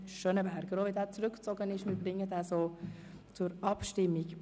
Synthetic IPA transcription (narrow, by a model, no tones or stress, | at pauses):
ʃøːnəbɛɾɡəɾoːʋidæːt͡sɾʏkt͡sɔɡənɪʃmɪːɾbɾɪŋːədɛːsoː | t͡sʊɾɑpʃtɪmːiɡ